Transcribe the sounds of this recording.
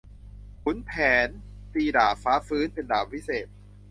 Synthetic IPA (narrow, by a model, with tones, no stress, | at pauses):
kʰu˨˩˦npʰɛː˩˦n | t̪iː˧daː˨˩faː˦˥fɯː˦˥npe˧ndaː˨˩p̚wi˦˥seː˨˩t̪̚